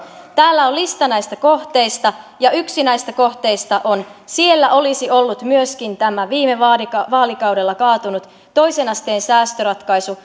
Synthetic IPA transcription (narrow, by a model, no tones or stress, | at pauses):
t̪æːlːæollist̪ɑnæjst̪æko̞ht̪e̞jst̪ɑjɑyksinæist̪æko̞ht̪e̞ist̪ɑʔo̞nsielːæʔo̞lisio̞lːut̪myøskint̪æmæʋiːmeʋɑːdikɑʋɑːlikɑwdelːɑkɑːt̪unut̪ːo̞jsenɑst̪eːnsæːst̪øɾɑt̪kɑjsu